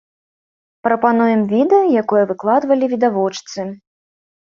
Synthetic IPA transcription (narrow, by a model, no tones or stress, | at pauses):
pɾɐpan̪ujɛmvʲid̪ɛjɔjakɔjɐvɨklˠad̪vɐlʲivʲid̪avɔt͡ʂt̪sɨ